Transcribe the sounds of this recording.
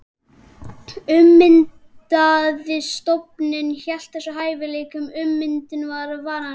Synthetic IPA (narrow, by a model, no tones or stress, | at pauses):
ʏmːɪnt̪aðɪst̪opnɪnçɛl̥t̪θɛsːɔɦaːjvɪleːkʏmʏmːɪnt̪ɪnvaɾʏvaːɾa